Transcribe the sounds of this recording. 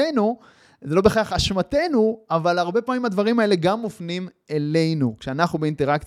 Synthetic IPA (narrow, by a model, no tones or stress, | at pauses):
enu | zelo̞be̞χaχaʃmate̞nuavalaʁbe̞pamimhad̪vaʁimae̞le̞ɡamːofnimele̞jnukʃeanaχnubeinteʁak